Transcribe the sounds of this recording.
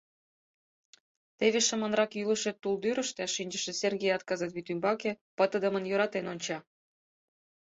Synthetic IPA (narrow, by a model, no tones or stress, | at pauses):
t̪eβeʃəmə̆nrɑkjyləʃet̪ːuld̪yɾə̆ʃt̪eɑʃinʲd͡ʑəʃĕserɣejɑt̪kɑzɑt̪βit̪ymbɑke | pət̪ə̆d̪əmənjøɾɑt̪enonʲt͡ɕɑ